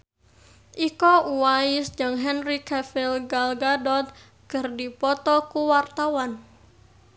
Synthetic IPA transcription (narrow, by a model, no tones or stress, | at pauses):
ʔikɔuwaisd͡ʒɨŋɦɛnrikɛfɪlɡalɡadɔt̪̚ | kərdipɔt̪ɔkuwart̪awan